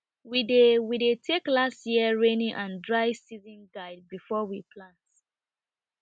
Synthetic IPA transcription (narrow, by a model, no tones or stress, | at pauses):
widewidetʰeklastjiəɹenĩʔãndɹaɪsizĩnɡaɪd̚bifɔwipʰlãnt